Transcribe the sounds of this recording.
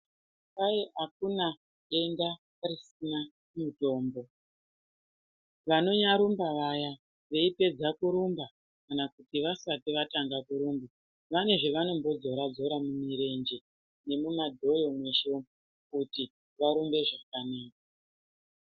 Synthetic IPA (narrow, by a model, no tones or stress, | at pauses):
pajeʔakuna | e̞nda | risina | muto̞ːmbo̞ | ʋano̞ɲaɾumbaʋaja | ʋe̞ipe̞d͡zakuɾumba | kanakutiʋasatiʋataŋɡakuɾumba | ʋane̞ʐeʋano̞mbo̞d͡zo̞ɾad͡zo̞ɾamumiɾe̞nd͡ʒe̞ | ne̞mumadʱo̞jo̞mwe̞ʃo | kuti | ʋaɾumbe̞ʐakanaːk̚a